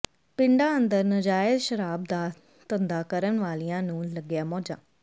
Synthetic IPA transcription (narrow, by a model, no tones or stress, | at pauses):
pɪɳɖaːənd̪əɾnəd͡ʒaːjəd̪ʃəɾaːb̚d̪aː | t̪ənd̪aːkəɾənʋaːlijãːnũːləɡɪjaːmɔːd͡ʒa̰ː